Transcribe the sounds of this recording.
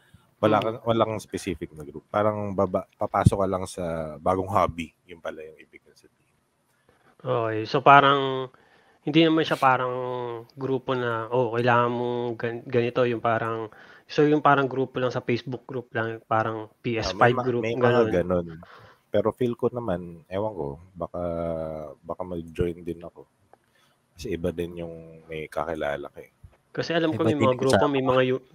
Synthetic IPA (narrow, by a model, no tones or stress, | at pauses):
wɐlakɐwɐlaŋspɛsiːfɪk̚nɐɡɾuppːaːɾɐŋbaːbapɐpaːsokɐlɐŋsɐbaːɡoŋɦaːbijʊmpɐlajʊŋʔibɪɡ̚ɐnsɐd̪ih | ʔoɛso̞paːɾɐŋ | hɪnd̪inɐmanʃapaːɾɐŋɡɾuːpo̞nɐʔokɐjlaːŋɐnmoɡɐɡɐnɪt̪o̞jʊŋpaːɾɐŋsojʊŋpaːɾɐŋɡɾuːpo̞lɐŋsɐpejsbʊk̚ɡ̥ɾup̚lɐŋpaːɾɐŋpiːʔɛsfajɡɾupmɡɐnonɡɐnon | pɛːɾo̞filkonɐmanʔɛwɐŋko̞̰baːka | bakamɐd͡ʒojnd̪ɪnɐko̞ | kɐsɛʔɪbad̪ɪnjʊŋmɐjkɐ̰kɪla̰ːlɐ̰kɛ | kɐsɛʔɐlamkomɐjmɐŋaaɡɾuːpomɐjmɐŋajʊ